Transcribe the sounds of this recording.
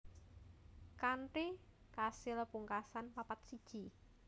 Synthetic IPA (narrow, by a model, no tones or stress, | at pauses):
kanʈi | kasɪlpuŋkasanpapat̪̚sid̥ʒ̥i